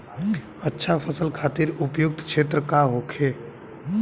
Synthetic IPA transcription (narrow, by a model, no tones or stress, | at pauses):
ɐtːʃʰafʰəsəlkʰaːt̪ɪɾʊpjʊk̚t̪kʃeːt̪ɾəkaɦoːkʰeː